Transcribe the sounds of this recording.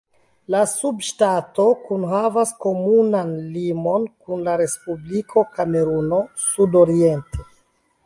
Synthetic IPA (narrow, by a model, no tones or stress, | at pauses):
lasubʃtato̞kunɦavasko̞munanlimo̞nkunlaɾe̞spublikʰo̞kame̞ɾuno̞ | sudo̞ɾie̞nte